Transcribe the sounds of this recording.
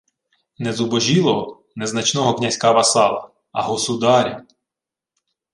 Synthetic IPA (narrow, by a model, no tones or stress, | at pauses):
nɛzubɔʒilˠɔɦɔ | nɛznɐt͡ʃnɔɦɔknʲɐsʲkaʋɐsɑlˠɐ̰ | ɐ̰ɦɔsʊd̪ɑɾʲɐ